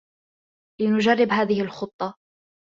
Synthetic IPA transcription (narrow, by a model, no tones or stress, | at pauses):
lɪnʊd͡ʒarːɪbɦaːðɪhɪlxʊt̪ˤːɑ